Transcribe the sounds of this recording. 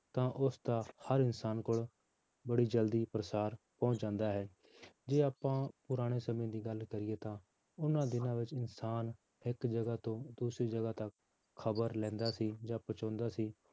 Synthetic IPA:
t̪ãːʔʊsd̪aːhəɾɪnsaːnkʊɭ | bəɽiːd͡ʒəld̪iːpɾəsaːɾ | pɔ̃ːʊ̃t͡ʃd͡ʒãːnd̪aːɦɛː | d͡ʒeːaːpãːpʊɾaːɽ̃eːsəmẽːd̪iːɡəlkəɾɪːeːt̪ãː | ʊnãːd̪ɪnãːʋɪt͡ʃɪnsaːn | ɪkd͡ʒəɡaːt̪õːd̪uːsɾiːd͡ʒəɡaːt̪əkʰː | əbəɾlɛ̃ːnd̪aːsiːd͡ʒãːpət͡ʃɔ̃ːnd̪aːsiː

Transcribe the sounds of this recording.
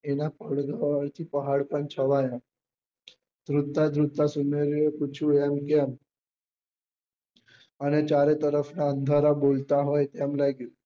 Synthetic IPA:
enapəɽɡ̪aəɾt̪ʰiːpəɦaɽpənt͡ɕʰəʋaja | d̪ɾut̪ːad̪ʱɾut̪ːasumeɾjekut͡ɕʰujamkam | anet͡ɕaɾet̪əɾəfnaənd̪ʱaɾabolt̪aɦojt̪jamlajɡil

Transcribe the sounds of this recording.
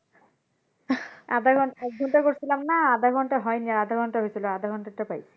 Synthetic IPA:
ad̪ʱaɡʱɔnɔɡʱɔnʈakoɾt͡ɕʰilamnaad̪ʱaɡʱɔnʈaɦɔjniaad̪ʱaɡʱɔnʈaɦojt͡ɕʰiload̪ʱaɡʱɔnʈɔʈːapaj

